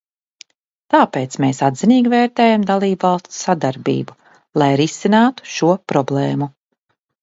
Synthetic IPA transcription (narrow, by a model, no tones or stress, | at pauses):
t̪aːpeːt̪smeːsad̪ziniːɡiveːɾt̪eːjamd̪alˠiːbvɑlˠst̪sad̪aɾbḭːbu | lˠajɾisinaːt̪u̥ʃuɔpɾɔblˠeːmu